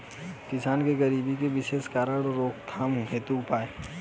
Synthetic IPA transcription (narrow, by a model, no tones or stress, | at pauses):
kɪsaːnkeɡəɾiːbikeʋɪʃeːskaːɾəɽɾoːkt̪ʰaːmɦɦeːt̪uːpaːe